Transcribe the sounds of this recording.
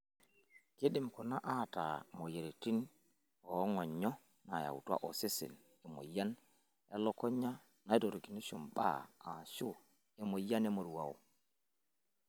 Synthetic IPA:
ke˦ɗi˨mkɔ˨na˦ʔata̰mɔ˨je˨ɾeti˦n | ɔ˦ŋɔ˨ɲːɔ˦ | na˨ja̰˨wutu˦a̰˦ʔɔ˨se˦sḭ˨n | ɛ˨mo̰˨ja˦n | ɛ˦lɔkɔ˦ɲːa˦ | na˨˦jdɔ˨ɾɡi˨ni˦sɔ˨mɓa̰˦a˨su˦ | ɛ˨mɔ˨ja˦nɛ˦mo˨ɾu˨wa̰˨w

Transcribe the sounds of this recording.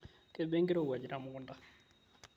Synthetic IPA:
ke˦be˦ŋɡi˦ɾo˦˨u˨a˨d͡ʒi˨ɾa˨mu˦ku˦˨nda˦

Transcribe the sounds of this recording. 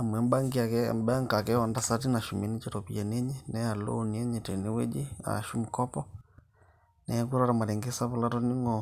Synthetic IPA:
a˨mwɛ˨mba˦ŋɡia˨kɛmba˦ŋɡa˨kɛ˦ɔ˨nda˦sa˦ti˦na˨ʃu˨mi˦ni˦t͡ʃɛɾɔpia˨ne˦ɲe˦nɛa˨lo̰˦niɛ˦ɲe˨te˨ne˦we˦d͡ʒi˦a̰˨ʃu˦mukɔ˦pɔ | nɛa˦k̬uɾɔ˦ɾa˨ma˨ɾɛ˨ŋɡe˦sa˦βu˦la˦tɔ˦ni˦ŋɡɔ

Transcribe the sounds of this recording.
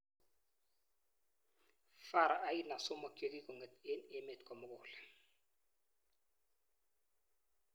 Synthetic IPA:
fa˦ɾa˨ʔa˦ji˦na˨sɔ˦mɔ˨ke˦k̬i˦k̬ɔ˨ŋɛ˨e˦ne˦me˨tkʼɔ˨mʊ˦k̬ɔː˨ɬɛ̥˨

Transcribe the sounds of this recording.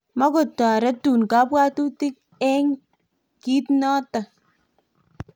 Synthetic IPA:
ma˦ko˨tɔ˨ɾɛ˦tu˨nka˦pwa˦tu˦ti˦k̚ | ɛ˦ŋ | ki˦tnɔ˦ta˨

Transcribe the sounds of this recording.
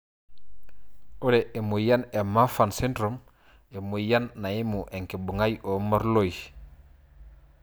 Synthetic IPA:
o˦ɾee˨mu˨jane˨ma˦fansi˦ndɾom | e˨mu˨ja˦nːa˨ji˦muʔe˨ŋki˨bu˨ŋajʔoma˦ɾloj

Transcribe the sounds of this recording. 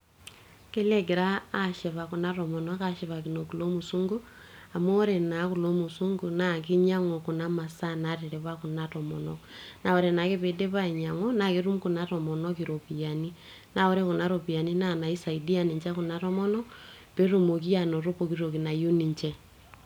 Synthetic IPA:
ke˦le˦ke˨ɾaː˦ʃe˨βa˨ku˨na˦ɾɔ˨mɔ˨nɔ˦ka˦ʃe˨βa˨ki˨no˨ku˨lo˦mu˨su˦ŋɡu˦ | a˨mo˦ɔ˦ɾe˨na˨˦ku˨lo˦mu˨su˦ŋɡu˨na˨˦k̬i˦ɲa˦ŋɔ˨ku˨na˦ma˨sa˦na˨˦ɾe˨ɾe˨βa˦ku˨na˦ɾɔ˨mɔ˨nɔ̰˨kna˨ɔ˨ɾɛ˨na˨ke˦βe˨de˦βa˦i˨ɲa˨ŋwɔ˦na˨ke˦ɾu˦mku˨na˨ɾɔ˨mɔ˨nɔ˦ki˨ɾo˨pi˨a˨ni˦ | na˨o˦ɾe˦ku˨na˦ɾo˨pi˨a˨ni˦na˦na˨i˦sa˨i˨di˦a˨ni˨ɲt͡ʃa˦ku˨na˨ɾɔ˦mɔ˦nɔ˦ | pe˦ɾo˨mo˨ki˦a˨no˨ɾo˦po˨ki˦ɾo˨ki˨na˨ju˦ni˨ɲt͡ʃɛ˦

